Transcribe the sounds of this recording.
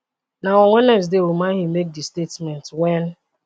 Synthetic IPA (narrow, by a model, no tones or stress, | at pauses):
naɔ̃ŋʷɛnɛs̬deɾumãɦimek̚distetmɛntwɛn